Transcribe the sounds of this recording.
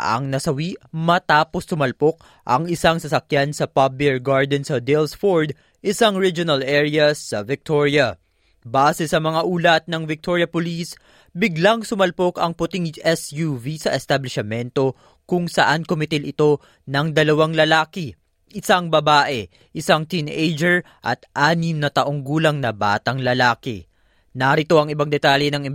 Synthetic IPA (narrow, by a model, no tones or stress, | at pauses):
ʔɐ̰ŋnɐsɐwiʔmɐt̪aːpo̞sːʊmɐlpo̞k̚ | ʔɐ̰ŋɪsaŋsɐsɐkjansɐpabɛɹɡaɹd̪ɛnsɐd̪ɛlsfoɹd̪ | ʔɪsaŋɹid͡ʒʊnɐlʔɛɹɪjɐsɐvɪk̚t̪oɹjɐ | baːsɛsɐmɐŋaʔuːlɐt̪̚nɐŋvɪk̚t̪oɹjɐpʊlis | bɪɡlaŋsʊmɐlpo̞kɐŋpʊt̪iŋʔɛsjuvisɐʔɛst̪ɐblɪʃɐmɛnt̪o̞ | kʊŋsɐ̰ʔankomɪt̪ɪlɪt̪o̞ | nɐŋd̪ɐlɐwaŋlɐlaːkɪ | ʔɪsaŋbɐbaːʔɛ | ʔɪsaŋt̪inʔejd͡ʒɛɹ | ʔɐ̰t̪̚ʔaːnɪmnɐt̪ɐʔo̞ŋɡuːlɐŋnɐba̰ːt̪ɐŋlɐlaːkɛ̰ | nɐɾɪt̪o̞ʔɐŋɪbaŋd̪ɛt̪aljɛnɐŋɪ